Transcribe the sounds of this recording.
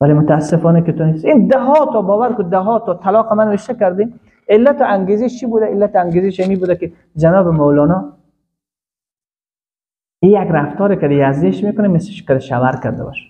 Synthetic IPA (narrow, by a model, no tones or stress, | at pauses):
valemʊt̪aːsːɪfɔnakɪt̪ʊnesind̪aɦɔt̪ɔbɔːvaɾkʊd̪aɦɔt̪ɔt̪ʰalɒːqamanʋeʃt̪akaɾd̪i | ɪlːat̪ɪʔaŋɡeziʃt͡ʃʰibud̪aɪlːat̪aŋɡeziʃamibud̪akɪ | d͡ʒanɔːbɪmowlɔnɔ | ijaɡɾaft̪ɔːɾekad̪ijazd̪iʃmekʊnameslɪʃkad̪ɪʃawaɾka̰ɾd̪a̰bɔ̰ʃḁ